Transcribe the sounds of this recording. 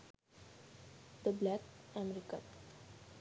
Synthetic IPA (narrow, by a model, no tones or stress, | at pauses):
d̪əblækæmɛɾikə̰̃n